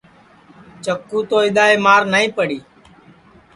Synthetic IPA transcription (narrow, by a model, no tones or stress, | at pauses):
t͡ʃəkːuːt̪oːɪɗ̪aːeːmaːɾnəĩːpəɽiː